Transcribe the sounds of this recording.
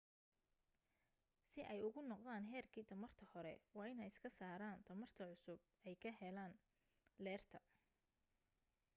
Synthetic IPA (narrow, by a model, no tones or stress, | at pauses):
sɪʔɛjʊɣʊnɔqðaːnɦɛːrkʰiːt̪ʰɐmɐrt̪ʰɐhɔɾɛ̰wɑːɪnɛjɪskʰɐsaːɾaːnt̪ʰɐmɐrt̪ʰɐʕʊsʊb̚ɛjkʰɐɦɛlaːn | lɛːrt̪ʰɐ